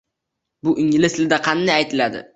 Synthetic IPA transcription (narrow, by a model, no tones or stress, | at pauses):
bʊʔɪŋlɪsɪld̪aqʰɑnd̪ajajt̪ʰɪlad̪ɪ̰